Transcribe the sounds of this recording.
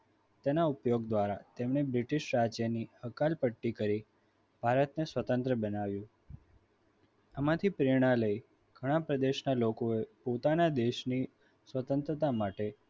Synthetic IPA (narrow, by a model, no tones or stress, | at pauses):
t̪enaupjoɡd̪ʋaɾat̪emɳebɾɪʈɪʃɾad͡ʒjənihəkalpəʈːikəɾi | b̥ʱaɾət̪nesʋət̪ə̃nt̪ɾəbənaʋjũ | amãt̪ʰipɾiɽ̃aləi | ɡ̥ʱəɽ̃ãpɾəd̪eʃnalokoepot̪anad̪eʃni | sʋət̪ə̃nt̪ɾət̪amaʈe